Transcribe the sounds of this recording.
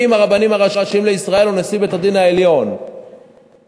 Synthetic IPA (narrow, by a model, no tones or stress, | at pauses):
imaʁabanimaʁaʃaʃimleisʁae̞lonesibet̪ad̪inhae̞ljo̞n